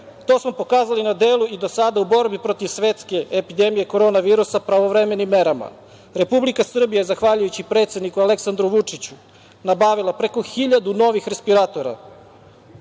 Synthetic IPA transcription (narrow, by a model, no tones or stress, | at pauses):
t̪o̞ːsmo̞po̞kaːzalinad̪e̞ːlˠuid̪o̞sad̪aubo̞ɾbipɾo̞t̪iʋsʋe̞t̪ske̞epid̪e̞mijeko̞ɾo̞naʋiːɾusapɾaʋo̞ʋɾeme̞nimːe̞ɾama̰ | ɾe̞publikasr̩bijajezaxʋaʎujut͡ɕipɾe̞t̪sjenikuale̞ksand̪ɾuʋut͡ʂit͡ɕu | nabaːʋilˠapɾe̞ko̞xiʎad̪uno̞ʋixɾe̞spiɾat̪o̞ɾa̰